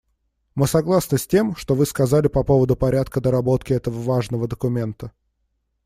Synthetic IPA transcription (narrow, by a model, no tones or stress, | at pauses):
mɨsɐɡlˠasnɨsʲtʲe̞mʂt̪o̞vɨskɐzalʲɪpɐpo̞vəd̪ʊpɐɾʲat̪kəd̪əɾɐbo̞t̪kʲɪɛt̪əvəvaʐnəvəd̪əkʊmʲe̞nt̪ə